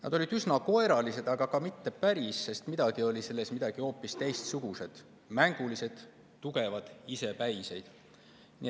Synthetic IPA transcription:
nɑ̰d̪̥o̞lid̪̥ysnɑko̞e̞ɾɑlise̞d̪̥ɑɡ̥ɑkɑmit̪ːe̞pæɾisːe̞st̪mid̪ɑɡ̥io̞lʲise̞lːe̞smid̪ɑɡ̥io̞ːpːist̪e̞jst̪suɡ̥use̞d̪̥ | mæŋɡ̥ulise̞d̪̥ | t̪ːuɡ̥e̞vɑd̪̥ise̞pæjse̞jd̪̥ | nḭ

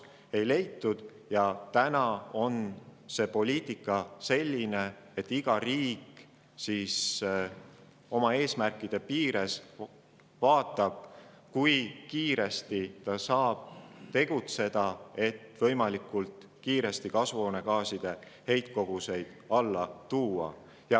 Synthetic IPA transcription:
e̞jle̞jt̪ːud̪̥ | jɑt̪ænɑo̞nse̞po̞lʲiːt̪ˑikːˑɑse̞lʲːine̞ | et̪ːiɡ̥ɑriːk | sis | o̞mɑe̞ːsmærkːˑid̪̥e̞piːɾe̞s | vɑːt̪ːˑɑb̥̚ | kujkiːɾe̞st̪it̪ɑsɑːb̥̚t̪e̞ɡ̥ut̪se̞d̪̥ɑe̞t̪ːvɤ̞jmɑlikˑult̪ | kiːɾe̞st̪ikɑsvo̞ːne̞kɑːsid̪̥e̞ | he̞jt̪̚ko̞ɡ̥use̞jd̪̥ɑlːɑt̪uːɑ̰ | jɑ

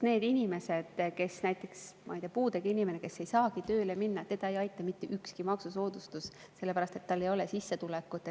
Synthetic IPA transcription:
ne̞ːd̪̥inʲime̞se̞d̪̥ke̞snæjt̪ːˑe̞ksmʔɑ̰jd̪̥ʲiɑpuːd̪eɡ̥inʲime̞neke̞sːe̞jsɑːkit̪ø̞ːle̞minːɑet̪t̪e̞d̪ɑejɑjt̪ːˑɑmit̪ːeʔykskimɑksuso̞ːd̪̥ust̪us | se̞lːepæɾɑst̪e̞t̪ːɑlːe̞jo̞lesisːet̪ulekːˑut̪ːˑe

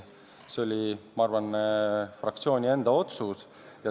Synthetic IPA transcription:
se̞o̞lʲimɑɑɾvɑnfrɑk̚t̪sio̞ːnʲie̞nd̪̥ɑo̞t̪sus | jɑ

